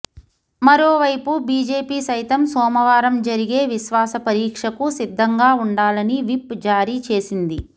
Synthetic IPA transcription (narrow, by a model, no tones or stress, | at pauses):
mɐɾoːʋɐjpubiːd͡ʒe̞ːpiːsɐjt̪ɐmsɔːmɐʋaːɾɐmd͡ʒɐɾiɡeːʋiʃʋaːsɐpɐɾiːkʂɐkusid̪ʱːɐŋɡaːuɳɖaːlɐniʋipd͡ʒaːɾiːt͡ʃe̞ːsind̪i